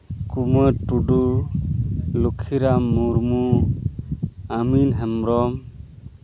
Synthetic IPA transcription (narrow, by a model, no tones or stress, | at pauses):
kumɔtuɖu | lukʰiɾamuɾmu | aminɦɛmɾɔm